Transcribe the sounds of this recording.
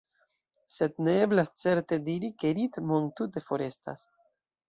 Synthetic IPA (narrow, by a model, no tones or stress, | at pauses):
se̞d̪neeblast͡se̞ɾt̪e̞diɾikeɾit̪mont̪ute̞fo̞ɾe̞st̪a̰s